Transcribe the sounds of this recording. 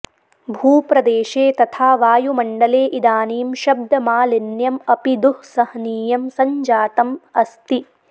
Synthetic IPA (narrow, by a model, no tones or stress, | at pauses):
bʱuːpɾɐd̪eːʃeːt̪ɐt̪ʰaːʋaːjumɐɳɖɐleːʔid̪aːniːmʃɐb̚d̪ɐmaːlenjɐmɐpid̪uhsɐhniːjɐmsɐɲd͡ʒaːt̪ɐmɐst̪i